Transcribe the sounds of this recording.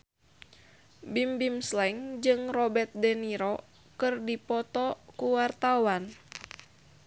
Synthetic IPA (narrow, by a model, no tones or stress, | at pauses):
bimbimslɛŋd͡ʒɨŋrɔbɛrt̪̚dɛniɾɔ | kɨrdipɔt̪ɔkuwart̪awan